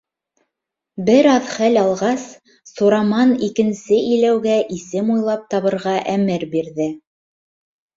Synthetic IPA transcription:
bɘɾɑðχælɑlˠʁɑsː | uɾɑmɑnikɘ̆nsɘɘ̆jlæwɡæʔisɘmujlˠɑp̚t̪ɑβɤ̆ɾʁɑʔæmɘɾbiɾðɘ

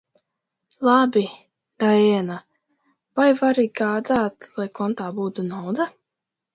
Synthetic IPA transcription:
lˠabi | d̪̥aɛna | vajvaɾiɡaːd̪aːt̪lˠajkɔnt̪aːbuːt̪unawd̪a

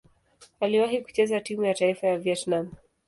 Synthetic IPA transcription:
aliwaɦiku̥t͡ʃɛzatimujataifajaviɛtnam

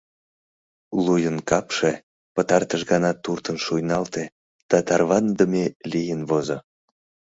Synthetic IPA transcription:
lujənkɑpʃe | pət̪ɑrt̪əʃɣɑnɑt̪ːurt̪ənʃujnɑlt̪e | d̪̥ɑt̪ɑrβɑnd̪əmelijənvozo

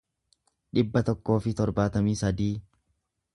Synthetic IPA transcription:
ᶑɪbːɐt̪ɔkːo̞ːfɪt̪ɔɾbaːt̪ɐmiːsɐd̪iː

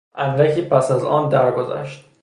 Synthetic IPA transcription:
ʔænɾæcʰiːpʰæsæzɒ̰ːnd̪æɾɡozæ̰ʃt̪̚

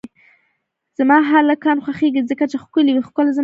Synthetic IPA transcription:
z̥amɑɦalakɑnxwaxeɡizəkat͡ʃexkʊliwixkʊlaz

